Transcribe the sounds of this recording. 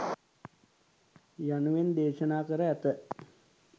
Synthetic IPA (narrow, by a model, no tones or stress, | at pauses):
januʋend̪eːʃənaːkəɾəæt̪ə